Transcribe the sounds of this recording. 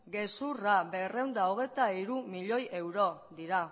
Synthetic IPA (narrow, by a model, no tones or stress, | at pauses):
ɡe̞surabe̞re̞wnd̪aoɣ̞e̞jt̪aiɾumiʎo̞je̞wɾo̞d̪iɾa